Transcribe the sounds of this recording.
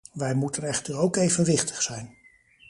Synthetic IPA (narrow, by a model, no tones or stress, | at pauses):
ʋɛjmutənɛχtəɹowkejvənʋɪχtə̥χsɛjn